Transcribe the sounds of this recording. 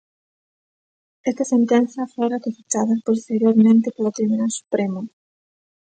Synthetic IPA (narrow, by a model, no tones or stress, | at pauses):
ɛst̪ɐsent̪ɛn̟θjɐfojɾekefet͡ʃaðaspost̪eɾjoɾmẽnt̪epalot̪ɾiβunalsu̥pɾemʊ